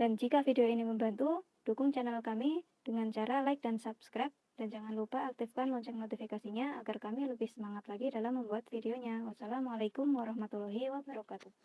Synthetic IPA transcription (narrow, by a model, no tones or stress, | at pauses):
d̥and͡ʒikafideoiniməmbant̪u | d̥ukʊŋt͡ʃanalkami | d̥əŋant͡ʃaɾalaɪk̚dansapskɾap̚d̥and͡ʒaŋanlupaːk̚t̪ɪfkanlɔɲt͡ʃɛk̚not̪ifikasiɲaaɡarkamiləbɪhsəmaŋat̪laɡidalamːəmbuat̪fideoɲawasalamalajkʊmwaɾɑhmat̪ulɔɦiwabəɾakat̪uh